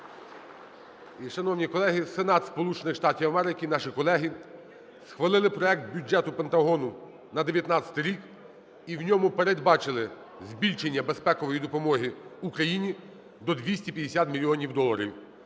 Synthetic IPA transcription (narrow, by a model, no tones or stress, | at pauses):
iʃɐnɔwnʲikɔlˠɛɦɪsenɑt̪spɔlˠut͡ʃenɪxʃt̪ɑtʲiwɐmɛɾɪkʲinɑʃikɔlˠɛɦɪ | sxʋɐlˠɪlˠɪpɾɔɛk̚t̪̚bʲud͡ʒɛt̪ʊpent̪ɐɦɔnʊ | nɐd̪e̞ʋʲjɐt̪nɑt͡sʲɐ̥t̪ɪɾʲik | iwnʲɔmʊpeɾed̪bɑt͡ʃɪlˠɪ | zʲbʲilʲʃenʲːɐbespɛkɔʋɔjid̪ɔpɔmɔɦiukɾɐjinʲi | d̪ɔd̪ʲʋʲisʲtʲipʲjɐd̪esʲat̪mʲilʲiɔnʲiwd̪ɔlˠɐɾʲḭw